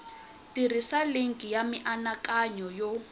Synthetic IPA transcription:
tirisaleŋkʼijamiʔanakaɲɔjɔ

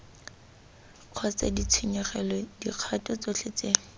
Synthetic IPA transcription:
q͡χʰɔt͡sḛdit͡sʰuɲɔχɛlɔdiq͡χʰatʼɔt͡sot͡ɬʰet͡se

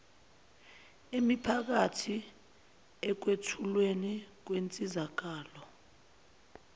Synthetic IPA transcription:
emipʰak̬atʰi | ɛk̬wetʰulwenik̬went͡sʼizak̬aːlɔ

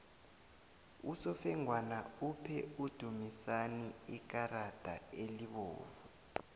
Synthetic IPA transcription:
usɔfɛŋwanaupʰɛud̥ʱumisaniik̬aɾad̥ʱa̰eliɓɔ̰ːvu

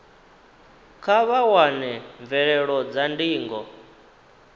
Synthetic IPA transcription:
kʰaβawanɛɱvɛɺɛɺɔd͡zandiːŋɡɔ

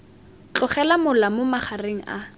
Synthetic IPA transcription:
t͡ɬʼʊχɛlamʊlamʊmaχareŋ̩a̰

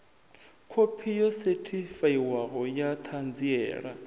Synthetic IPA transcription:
kʰopʰijɔsetʰifaiwaɣɔjat̪ʰand͡ziɛ̰ːɺa̰

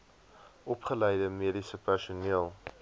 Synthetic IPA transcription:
ʔɔpχələjdəmiəɾisəpærsuniəlˠ

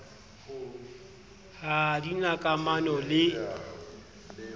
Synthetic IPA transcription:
hadinakʼamanɔlɪ

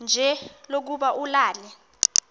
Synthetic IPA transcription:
nd͡ʒʱɛlok̬uɓaʔulaːlɛ

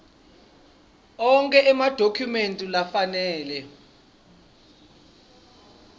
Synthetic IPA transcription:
ɔŋkʼɛʔɛmad̥ʱokʰjumentʼulafanɛːlɛ

